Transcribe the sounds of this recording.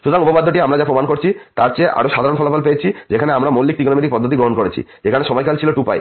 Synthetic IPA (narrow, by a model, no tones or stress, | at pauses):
ʃud̪oɾŋupobad̪ʱːoʈiamɾad͡ʑapɾomankoɾt͡ɕʰit̪aɾt͡ɕeʔa̰ɽoʃad̪aɾonfʰɔlofalpeet͡ɕʰid͡ʑekʰaneamɾamolːik̚t̪ikonomiʈ̪ik̚pɔd̪ʱːot̪̬iɡɾoɦonkoɾet͡ɕʰḭd͡ʑekʰaneʃɔmɔjkalt͡ɕʰiloʈupa̰j